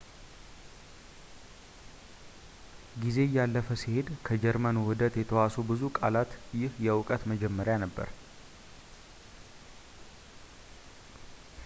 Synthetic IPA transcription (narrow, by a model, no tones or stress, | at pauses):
ɡize̞jalːəfəsihe̞d̪kʰəd͡ʒɛɾmənwɨd̪ət̪jɛt̪ʰəwasubɨzukʼalat̪jɪhjɛwʊkʼət̪məd͡ʒɛmːəɾjanəbːə̰ɾ